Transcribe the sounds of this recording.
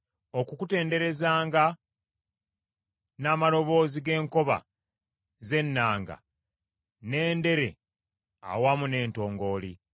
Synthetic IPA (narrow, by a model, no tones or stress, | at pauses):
o̞kukute̞ːnde̞ɾe̞zaːŋɡa | naːmalo̞βo̞ːziɡe̞ːŋko̞βa̰ | ze̞nːaːŋɡa̰ | ne̞ːnde̞ɾe̞̰ | a̰wamune̞ːnto̞ːŋɡo̞ːlḭ